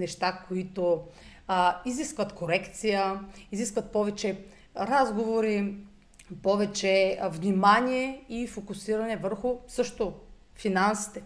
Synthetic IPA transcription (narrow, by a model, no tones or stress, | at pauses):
nɛʃt̪akʰoit̪o | iziskvət̪koɾɛkt̪sijəiziskvət̪̚pɔvɛt͡ʃɛ | ɾazɡovoɾi | pɔvɛt͡ʃɛvnʲimanʲiɛifokʊsiɾɐnɛvəɾxʊsɤʃt̪o | finansi̥t̪ɛ